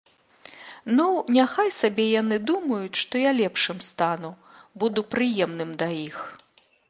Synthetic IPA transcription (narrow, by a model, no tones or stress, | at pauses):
nunʲaxajsabʲɛjan̪ɨd̪umɐjut͡sʲʂt̪ɔjalʲɛpʂɨmst̪anu | bud̪upɾɨjɛmnɨmd̪ɐix